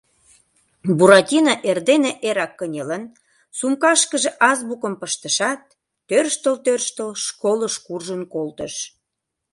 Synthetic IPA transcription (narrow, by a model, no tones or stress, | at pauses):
buɾɑtʲinɑʔerd̪eneʔeɾɑkːənʲelən | sumkɑʃkəʒĕʔɑzbukə̆mpəʃt̪əʃɑt̪̚ː | ørʃt̪əlt̪ørʃt̪əlʃkoləʃkurʒənkolt̪əʃ